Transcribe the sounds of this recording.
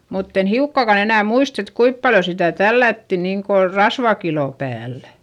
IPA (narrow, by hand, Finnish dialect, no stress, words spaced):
mutː en hiukːɑˑkɑn enæˑ muist et kuip pɑljo sitæˑ tælːætːi niːŋko rɑsʋɑkiloˑ pæːlːæ̥